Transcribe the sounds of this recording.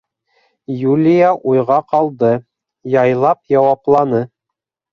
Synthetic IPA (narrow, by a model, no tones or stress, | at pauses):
julʲijaʔujʁɑqɑlˠd̪ɤ | jɑjlˠɑpjɑwɑplˠɑnɤ